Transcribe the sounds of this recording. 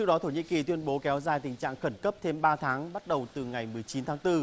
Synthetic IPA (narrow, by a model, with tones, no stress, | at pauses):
ɨ˦˥kɗɔ˨˦t̪ʰo˧˩ɲḭ˧˨ŋki˨˩t̪wi˧ənɓo˨˦kɛ˨˦wzaː˧˩jt̪ï˨˩ŋ̟t͡ɕa̰ː˧˨ŋxə˧˩nkə˦˥p̚t̪ʰe˧mɓaː˧t̪ʰaː˨˦ŋɓa˦˥t̚ɗə˨˩wt̪ɨ˨˩ŋa˨˩jmɨ˨˩əjt͡ɕi˨˦nt̪ʰaː˨˦ŋt̪ɨ˧